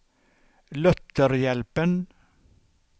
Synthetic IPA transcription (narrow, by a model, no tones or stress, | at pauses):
lœt̪əɾjɛlpən